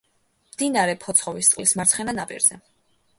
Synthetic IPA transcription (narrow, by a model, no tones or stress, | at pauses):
md̪inaɾɛpʰɔt̪sʰχɔvist̪ʼqʼlismaɾt̪sʰχɛnanapʼḭɾzɛ